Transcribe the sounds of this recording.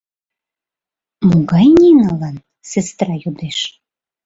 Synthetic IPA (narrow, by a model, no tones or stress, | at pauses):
muɡɑjnʲinɑlɑn | sest̪ɾɑjud̪eʃ